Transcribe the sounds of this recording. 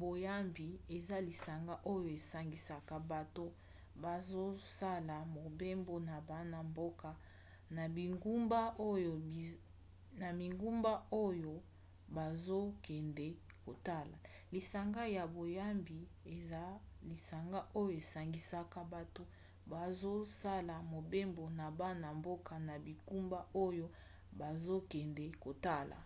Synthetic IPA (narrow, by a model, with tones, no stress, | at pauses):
bo˨ja˦mbi˨e˨za˦li˨sa˨ŋɡa˦ʔo˦jo˨e˨sa˨ŋɡi˨sa˦ka˦ba˨to˦ | ba˨zo˦sa˦la˨mo˨be˦mbo˦na˨ba˨˦na˦mbo˦ka˨ | na˨bi˨ŋɡu˦mba˦o˦jo˨ | na˨mi˨ŋɡu˦mba˦o˦jo˨ | ba˨zo˦kɛ˨ndɛ˦ | ko˨ta˦la̰˨ | li˨sa˨ŋɡa˦ja˨bo˨ja˦mbi˨ | e˨za˦li˨sa˨ŋɡa˦ʔo˦jo˨e˨sa˨ŋɡi˨sa˦ka˦ba˨to˦ | ba˨zo˦sa˦la˨mo˨be˦mbo˨na˨ba˦na˨mbo˦ka˨na˨bi˨ku˦mba˦ʔo˦jo˦ | ba˨zo˦kɛ˨ndɛ˨ko˨ta˦lʔa̰˨